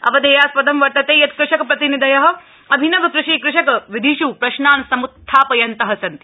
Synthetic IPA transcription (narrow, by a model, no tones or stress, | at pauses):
ɐ̰ʋɐd̪eːjaːspɐd̪ɐmʋɐɾt̪ɐt̪eːjɐt̪kɾɪʃɐkɐpɾɐt̪inid̪ɐjɐɦɐ̆ | ɐbʱinɐʋɐkɾuʃiːkɾɪʃɐkɐʋid̪ʱiʃuːpɾɐʃnaːnsɐmut̪ʰːaːpɐjɐnt̪ɐɦɐsɐnt̪i